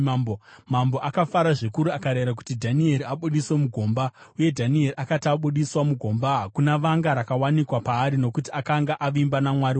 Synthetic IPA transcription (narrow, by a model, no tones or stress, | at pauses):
bomamboʔakafaɾaʐikuɾuakaɾeɾak̬u̥tidʱanie̞ɾiaɓuɗiswe̞muɡʱo̞mbauje̞dʱanie̞riʔakataɓuɗiswamuɡʱo̞mbakunaʋaŋɡaɾakawanikwapaːɾino̞kutiakaŋɡaʔaʋimbanamwaɾi